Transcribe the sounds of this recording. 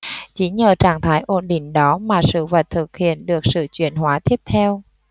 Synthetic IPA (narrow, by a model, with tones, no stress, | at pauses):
t͡ɕi˨˩˦ɲəː˨˩t͡ɕaː˧˩ŋt̪ʰaː˨˦jʔo˧˩nɗï˧˩ŋ̟ɗɔ˨˦maː˨˩sɨ̰˧˨və˨˩t̚t̪ʰɨ˨˩k̚hḭ˧˨ənɗɨ˨˩ək̚sɨ̰˧˨t͡ɕwḭ˧˨ənhwaː˨˦t̪ʰi˦˥əp̚t̪ʰɛ˧w